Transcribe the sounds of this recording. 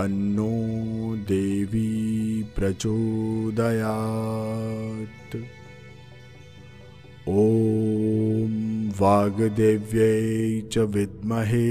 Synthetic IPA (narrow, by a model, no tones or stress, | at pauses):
ɐnːoːd̪eːʋipɾɐt͡ʃoːd̪ɐjaː | t̪ | oː | mʋaːɡd̪eːʋjɐt͡ʃɐʋɪd̪̚mɐɦe